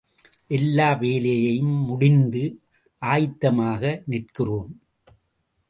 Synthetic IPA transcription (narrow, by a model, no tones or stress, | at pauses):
ʔɛlːaːʋeːlɐjɐjɯmːʊɽɪnd̪ɯ | ʔaːjt̪ːɐmaːɣɐnɪrkɪroːm